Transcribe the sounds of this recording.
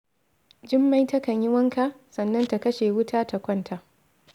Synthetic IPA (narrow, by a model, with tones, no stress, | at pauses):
d͡ʒɪ˦mːa˦jtɐ˦kɐ˨ɲjɪ˦wɐ˦ŋka˨ʔ | sɐ˨nːɐ˦nta˨kɐ˦ʃeː˨wʊ˦tʰaː˦ta˨kʷɐ˦˨ntʰa˨ʔ